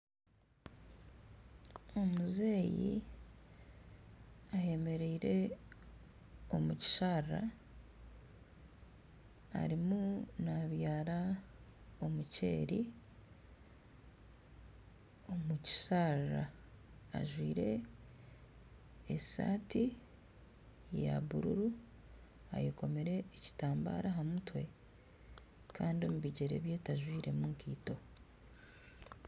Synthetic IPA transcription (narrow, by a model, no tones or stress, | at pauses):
o̞muzeːjḭ | aje̞me̞ɾeiɾe̞ | o̞muci̥ʃaa̰ | a̰ɾimunaβjaːɾa | o̞muce̞̰ːɾi | o̞muci̥saɾa | a̰ʒwiːɾe̞ | sa̰ːti | ja̰βṵɾṵɾu | a̰joko̞me̞ɾe̞ːci̥taːmba̰ːɾaɦamutwe̞ | kʰaːndiomuβiɟe̞ɾḛβje̞taʒwiːɾe̞muŋkiːto̞